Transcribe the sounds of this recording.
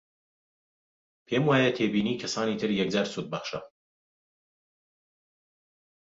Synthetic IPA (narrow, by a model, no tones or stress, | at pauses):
pʰeːmwaːjɐt̪ʰeːbiːniːkʰɐsaːniːt̪ʰɨɾjɛk̚d͡zaːɾsuːt̪̚bɐχʃɐ